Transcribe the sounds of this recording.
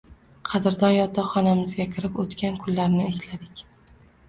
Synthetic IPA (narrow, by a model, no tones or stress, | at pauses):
qʰɑd̪ɪɾd̪ɒnjɒt̪ʰɒχɒnamɪzɡʲakʲʰɪɾɪpot̪kʲankʰʊlːaɾnɪɪʃlad̪ɪkʲ